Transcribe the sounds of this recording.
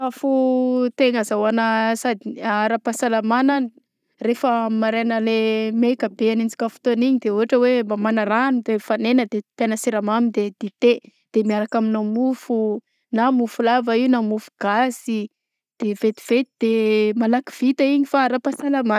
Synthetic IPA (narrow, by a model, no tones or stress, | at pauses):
afut̪eŋəzawanəsad̪iaɾapasalamanan | refəmaɾenəlemekəbeanid͡zi̥kʲafu̥t̪oniɲid̪euɦaʈ͡ʂəwembamanaɾanid̪efanenəd̪ep̪anəsiɾamamind̪ed̪̥et̪e | d̪̥emiaɾakaminamufu | namufulavəiunamufu̥ɡ̥asi | d̪̥evet̪i̥v̥et̪id̪̥emalaki̥v̥it̪aiɲifaaɾapasalama